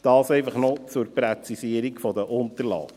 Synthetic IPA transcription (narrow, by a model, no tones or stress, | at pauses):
d̥ɑːsɛɪfɑχnɔt͡sʊɾprɛt͡sisiəɾikfɔd̪əʔʊnt̪əɾlɑ̰ː